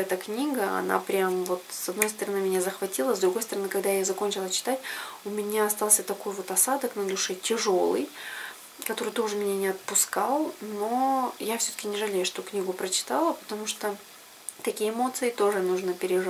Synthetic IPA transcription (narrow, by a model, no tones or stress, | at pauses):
ɛt̪əknʲiɡəɐ̰na̰pɾʲamvo̞t̪sɐd̪no̞jst̪əɾɐnɨmʲɪnʲazəxvɐtʲilˠəzd̪ɾʊɡo̞jst̪əɾɐnɨkɐɡd̪ajazɐkonʲt͡ɕɪlˠət͡ɕɪ̥t̪atʲʊmʲɪnʲaɐst̪alˠsʲət̪ɐko̞jvo̞t̪ɐsad̪əknəlʲʊʂɛtʲɪʐo̞lˠɨ̰j | kɐt̪o̞ɾɨjt̪o̞ʐɨmʲɪnʲanʲɪɐt̪̚pʊskalˠno̞jafsʲɵt̪ə̥kʲɪnʲɪʐɨlʲejʊʂt̪ʊknʲiɡʊpɾət͡ɕɪ̥t̪alˠəpə̥t̪ɐmuʂt̪o | t̪ɐkʲijəmo̞t̪sɨɪt̪o̞ʐɨnuʐnəpʲɪɾʲɪʐ